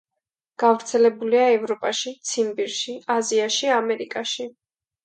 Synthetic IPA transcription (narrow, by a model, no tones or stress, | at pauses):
ɡ̥avɾt̪sʰɛlɛbuliaɛvɾɔpʼaʃit̪sʰimbiɾʃiaziaʃiamɛɾikʼaʃi